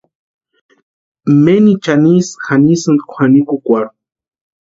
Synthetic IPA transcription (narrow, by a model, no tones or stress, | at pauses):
menit͡ʃanisxanisɨnd̪kʷʰxanikukʷaɾ